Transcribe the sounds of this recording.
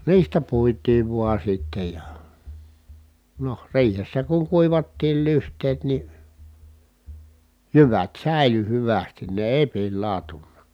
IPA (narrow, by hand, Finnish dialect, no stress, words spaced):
niːstæ puitˑiːʋ ʋuɑ sitːe jɑ noh riːhesːæ kuŋ kuiʋɑtːiːl lyhtˑeːt ni jyʋæt sæˑi̯ly hyʋæstin ne eˑi̯ pilːɑˑu̞tunːɑ